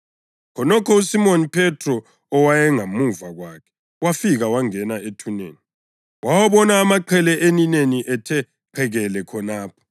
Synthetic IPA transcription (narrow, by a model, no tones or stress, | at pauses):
kʰɔnɔkʰɔusimonipʰɛtʰrɔ | ɔwajɛŋamuvaɣwaːkʰɛ̥ | wafiɣawaŋɛnaetʰunḛːni | wawaβɔnaːmaǃʰɛlɛʔenineniʔɛtʰɛ | kʰɛɣɛlɛkʰɔnaːpʰɔ̥